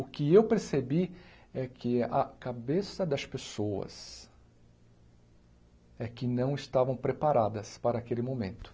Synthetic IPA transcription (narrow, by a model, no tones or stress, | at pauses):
ʊkɪewpeɾsebiɛkʰɪɐ̰kabesɐd̪ɐspesowɐ̰s | ɛkɪnɐ̃w̃ɪst̪avɐ̃w̃pɾepaɾad̪ɐspaɾɐːkelɪmomḛ̃nt̪ʊ̥